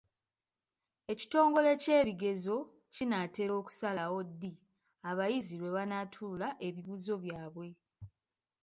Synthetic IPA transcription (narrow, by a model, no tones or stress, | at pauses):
e̞ci̥to̞ːŋɡo̞le̞ce̞ːβiɡe̞zo̞ | cinate̞ɾo̞ːku̥salawo̞dːi | aβajiziɾwe̞βanatʰulaʔe̞βiβuzo̞βjaːβwe̞